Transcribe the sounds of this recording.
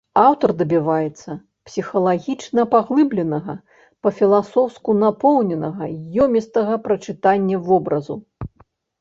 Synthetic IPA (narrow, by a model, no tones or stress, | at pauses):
awt̪ɐrd̪ɐbʲivajɛt̪sːɐ | psʲixɐlˠaɣʲit͡ʂnɐpaɣlˠɨblʲɛnɐɣɐ | pɐfʲilˠasɔwskunapɔwnʲɛnɐɣɐjɔmʲist̪ɐɣɐpɾɐt͡ʂɨt̪anʲːɐvɔbɾɐzṵ